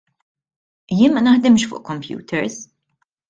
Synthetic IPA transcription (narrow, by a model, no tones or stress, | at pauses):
jɪːnmɐnɐħd̪ɪmʃfʊ̰ːʔkɔmpjṵːt̪ʰɛɾs